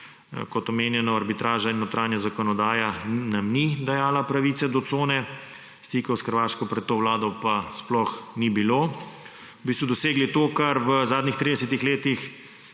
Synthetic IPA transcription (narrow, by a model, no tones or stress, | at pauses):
kɔt̪ɔmeːnjɛnɔaɾbit̪ɾaːʒainːot̪ɾaːnjazakɔnɔd̪aːjanamnid̪ajaːlapɾaʋiːt̪sɛd̪ɔt̪soːnɛ | st̪ikɔwsxəɾʋaːʃkɔpɾɛt̪ːoːʋlaːd̪ɔpasplɔxnibiloː | bist̪ʋud̪ɔseːɡlit̪okaɾʋəzaːd̪nixt̪ɾid̪ɛsɛt̪ixleːt̪ix